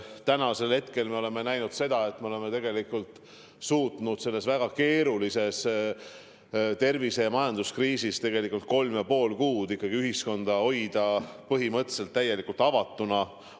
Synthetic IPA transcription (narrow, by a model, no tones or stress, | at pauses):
t̪ænɑse̞lhe̞t̪ke̞lme̞ole̞me̞næjnud̪̥se̞d̪̥ɑe̞t̪meole̞met̪e̞ɡ̥e̞likːult̪ˑ | suːt̪ˑnud̪̥se̞lːe̞svæɡ̥ɑke̞ːɾulise̞s | t̪e̞rvise̞jɑmɑjɑnd̪̥uskriːsist̪e̞ɡ̥e̞likːˑult̪̚ko̞lmjɑpo̞ːlkuːd̪ikːɑɡ̥iyɦisko̞nd̪̥ɑo̞jd̪ɑpɤɦimɤt̪ːˑese̞lt̪ːæje̞likːˑult̪ɑvɑt̪ːˑunɑ